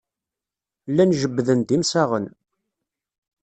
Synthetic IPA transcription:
lːænʒəbːðənd̪imsæʁən

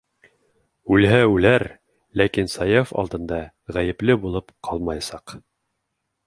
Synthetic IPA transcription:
ʉlɦæʉlæɾ | lækinsɑjɑfɑ̰lˠd̪ɤ̆nd̪ɑ | ʁæjɘ̆plɘbulˠɤpqʰɑlˠmɑjɑsɑq

